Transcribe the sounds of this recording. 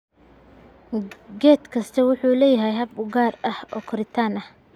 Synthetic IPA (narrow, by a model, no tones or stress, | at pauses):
ɡɛːt̪kʰɐst̪ʰɐwʊħuːlɛːjɐɦɛjɦɐbʊɡaːrɐhɔːkʰɔɾɪt̪ʰaːnɐh